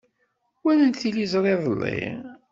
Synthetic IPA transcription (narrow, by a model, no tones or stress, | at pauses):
wænənt̪θilizˤɾˤeðˤəlːḭ